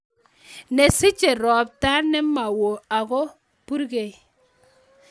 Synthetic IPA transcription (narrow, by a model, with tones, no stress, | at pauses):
ne˨si˦t͡ʃe˨ɾɔ˨p̚ta˦nɛ˦ma˨wo˨a˨ɣo˦ | pu˦ɾɡe˨